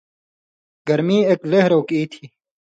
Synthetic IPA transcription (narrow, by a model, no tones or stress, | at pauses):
ɡɐɾmiːekleɦɾoːkiːt̪ʰiː